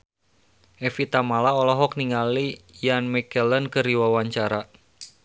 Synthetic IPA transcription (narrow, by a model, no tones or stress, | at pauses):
ʔɛfit̪amalaɔlɔɦɔk̚niŋalijanmɛkələnkəɾiwawaɲt͡ʃaɾa